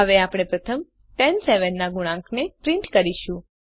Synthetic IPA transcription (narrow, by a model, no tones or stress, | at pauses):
ɦəʋeapɽ̃epɾət̪ʰəm | ʈɛnseʋənːaɡuɽ̃ãŋknepɾĩɳʈkəɾiʃũ